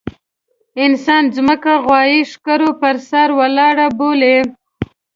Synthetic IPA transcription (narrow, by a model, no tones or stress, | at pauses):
ɪnsɑnzməkaɣwɑjiʂkaɾopəɾsaɾwalɑɽabole